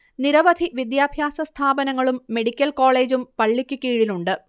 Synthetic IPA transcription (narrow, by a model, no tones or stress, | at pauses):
niɾɐʋɐd̪ʱiʋid̪jaːbʱjaːsɐst̪ʰaːbɐnɐŋːɐɭumːe̞ɽikʲːɐlko̞ːɭe̞ːd͡ʑumpɐɭːikʲːukːiːɻiluɳɖɨ